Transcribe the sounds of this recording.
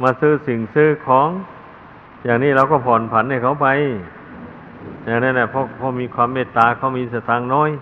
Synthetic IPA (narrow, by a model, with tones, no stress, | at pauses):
maː˧sɯː˧˥˩si˨˩ŋsɯː˧˥˩kʰɔː˨˦ŋ | jaː˨˩ŋniː˧˥˩ɾa˧wkɔː˧˩pʰɔː˨˩npʰa˨˦nha˥˩jkʰa˧˥˦wpa˧j | jaː˨˩ŋnaː˧˥˩na˧˩pʰɔː˧˥˩pʰɔː˧˩miː˧kʰwaː˧mːeː˧˩t̪ːaː˧kʰa˧˩wmiː˧saː˧˩t̪ʰaː˧ŋnɔː˧˥˩j